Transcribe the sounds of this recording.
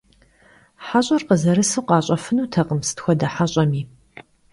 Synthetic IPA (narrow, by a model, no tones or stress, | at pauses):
ħaɕʼɐrqəzɐɾɨsɨqɑːɕʼɐfɨnuːtʰɐqəmsɨ̥txʷɔdɐħaɕʼɐmiː